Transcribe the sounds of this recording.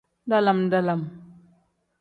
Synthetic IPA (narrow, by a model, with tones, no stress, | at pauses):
da˦la˨mda˦la˨m